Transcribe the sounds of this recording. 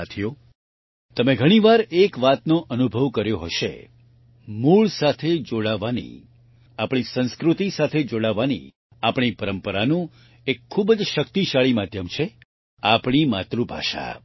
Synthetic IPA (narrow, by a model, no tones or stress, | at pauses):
at̪ʰijo | t̪əmẽɡʱəɽ̃iʋaɾekʋat̪noʔənubʱəʋkəɾjoɦəʃḛ | muɭsat̪ʰed͡ʒoɽaʋanḭ | apɽ̃isə̃nskɾut̪isat̪ʰed͡ʒoɽaʋanḭ | apɳ̃ipəɾəmpəɾanũ | ekʰːubəd͡ʒʃəkt̪iʃaɭimad̪ʱjəmt͡ʃʰe | apɽ̃imat̪ɾubʱa̰ʃa̰